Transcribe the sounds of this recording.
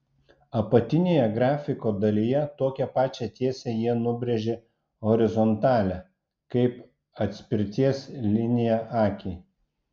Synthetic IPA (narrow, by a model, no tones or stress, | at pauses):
ɐpɐt̪ʲɪnʲeːjɛɡɾɑːfʲɪkoːd̪ɐlʲijɛt̪oːkʲɛpɑːt͡ʃʲɛt̪ʲiɛsʲɛjiɛnʊbʲɾʲɛʒʲeː | ɦɔɾʲɪzɔnt̪ɑːlʲɛ | kɐɪp | ɐt̪ʲsʲpʲɪɾʲt̪ʲiɛslʲɪnʲɪjɛʔɑːkʲi